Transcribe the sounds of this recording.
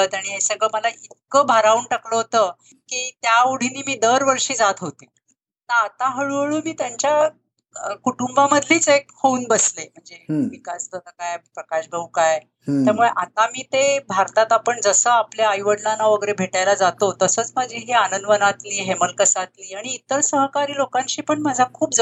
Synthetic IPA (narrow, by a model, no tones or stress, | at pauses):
ət̪aɽ̃iɦesəɡɭəːməlaʔit̪kəbʱaɾauɳʈakləɦot̪əː | kiːt̪jauɽ̤iniːmiːd̪əɾʋəɾʂiːd͡zat̪ɦot̪e | naːt̪aɦəɭuəɭuːmiːt̪jaɲt͡ɕja | əkuʈumbaməd̪ʱliːt͡sek̚houːnbəslem̤əɳd͡zeʋikasd̪ət̪əkajpɾəkaɕbʱəukaj | t̪jamuɭeʔat̪amiːt̪ebʱaɾt̪at̪apəɳd͡zəsəːapljaːjʋəɽlanːaʋəɡəɾebʱeʈajlad͡zat̪ot̪əsəːt͡smad͡ʑʱiɦianənd̪ʋənat̪liːɦeməlkəsat̪liːaɽ̃iːt̪əɾsəɦkaɾiːlokaɲɕiːpəɳmad͡zʱakʰuːp̚d͡z